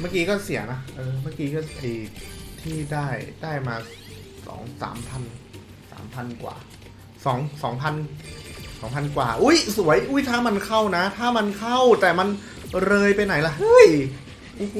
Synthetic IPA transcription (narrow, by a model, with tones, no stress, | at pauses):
maː˥˩kiː˧kɔː˥˩si˩˦əna˦˥ʔɤː˧maː˥˩kiː˧kɔː˥˩ʔa˧jt̪ʰiː˥˩daː˥˩jdaː˥˩jmaː˧ | sɔ̰ː˩˦ŋsa̰ː˩˦mpʰa˧n | sa̰ː˩˦mpʰa˧nkwa̰ː˨˩ | sɔː˩˦ŋsɔː˩˦ŋpʰa˧n | sɔː˩˦ŋpʰa˧nkwa̰ː˨˩ʔu˦˥˩jsu˩˦ɐəjʔuː˦˥jt̪ʰaː˥˩ma˧nkʰa˥˩wna˦˥t̪ʰaː˥˩ma˧nkʰa˥˩wt̪ɛː˨˩ma˧n | ɾɤː˧jpa˧jna˩˦jla˧˩hɯ˦˥˩j